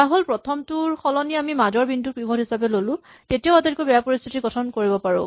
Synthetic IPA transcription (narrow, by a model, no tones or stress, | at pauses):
taɦolpɹɔtʰɔmtuɹxɔlɔniamimad͡ʒɔɹbʱintupɹibʱɔdɦisapɛlolʊ̃ | tetijaʊatelikobɛjapoɹist̪ʰi̥tiɡɔtʰɔnkoɹibɔpaɹʊ̰̃